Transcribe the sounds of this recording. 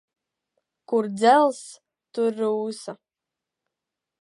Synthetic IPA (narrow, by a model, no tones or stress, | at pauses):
kʊrd͡zɛlˠs | tʊrːɨwsa